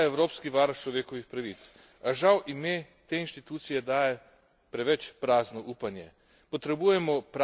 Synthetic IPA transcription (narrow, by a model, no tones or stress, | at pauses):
ɛwɾoːpskiʋaɾt͡ʃlɔʋeːkɔʋixpɾaʋit̪s | aʒawʔimeː | t̪eːinʃt̪it̪uːt̪sijɛd̪aːjɛ | pɾɛʋɛt͡ʃpɾaːznɔʔuːpanjɛ | pɔt̪ɾɛbujɛmɔpɾ